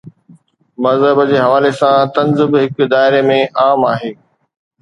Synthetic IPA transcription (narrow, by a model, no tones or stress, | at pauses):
mɐzɦəbəd͡ʑeːɦɐʋaːlesãt̪ɐnzɪbɦɪkd̪aːɪɾemẽʔaːmaːɦeː